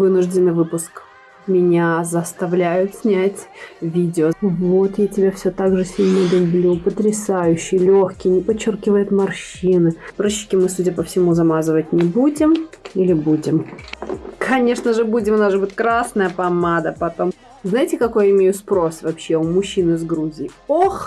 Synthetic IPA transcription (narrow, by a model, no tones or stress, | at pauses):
vɨnʊʐdʲɪnːɨvɨpʊsk | mʲɪnʲazəst̪ɐvlʲæjʊt̪sʲnʲætʲvʲidʲɪovo̞t̪jatʲɪbʲafsʲot̪aɡʐɨsʲilʲnəlʲʊblʲupət̪ɾʲɪsajʉɕːɪjlʲoxkʲɪjnʲɪpɐt͡ɕːorkʲɪvəjʊt̪mɐrɕinɨpɾoɕːɪ̥kʲɪmɨsudʲəpəfsʲɪmuzɐmazɨvət̚ʲnʲɪbudʲɪmilʲɪbudʲɪm | kʰɐnʲe̞ʂnəʐɨbudʲɪmʊnaʐɨbtʲkɾasnəjəpɐmad̪əpɐt̪o̞m | znajɪtʲɪkɐko̞jɪmʲejʊt̪spɾo̞svɐpɕːeʊmʊɕːinɨzɡɾuzʲɪɪox